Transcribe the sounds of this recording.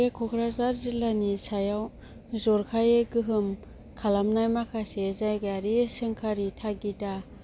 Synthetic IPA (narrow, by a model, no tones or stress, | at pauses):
ekʰɔkʰɾazaɾzilanisajaw | zɔɾkʰajeɡɯɦɯm | kʰalamnajmakʰasezajɡaɾisɯŋkʰaɾitʰaɡida